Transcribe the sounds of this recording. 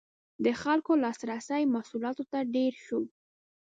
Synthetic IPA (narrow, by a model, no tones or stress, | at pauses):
d̪əxalkolɑsɾasəjmasulɑt̪ot̪aɖeɾʃow